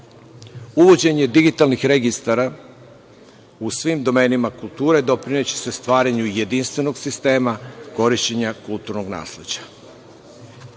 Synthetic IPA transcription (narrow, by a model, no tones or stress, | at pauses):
uʋo̞d͡ʑe̞ɲe̞d̪iɡit̪alnixɾe̞ɡist̪aɾa | usʋimd̪o̞me̞ːnimakulˠt̪uːɾe̞d̪o̞pɾinet͡ɕi̥sest̪ʋaːɾaɲuje̞d̪inst̪ʋe̞no̞ɡsist̪e̞ːmako̞ɾiʃt͡ɕeɲakulˠt̪uɾnoɡna̰ːsle̞d͡ʑḁ